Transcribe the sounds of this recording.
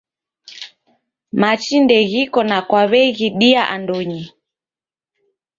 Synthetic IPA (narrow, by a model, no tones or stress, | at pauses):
mat͡ʃindɛɣikɔnakwaβɛɣiɗiaʔa̰ndɔɲi